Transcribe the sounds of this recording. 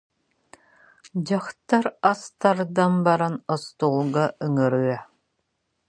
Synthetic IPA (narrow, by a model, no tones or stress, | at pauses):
d͡ʑaχt̪aɾast̪aɾd̪anbaɾanɔst̪ulˠɡaʔɯŋɯɾɯɛ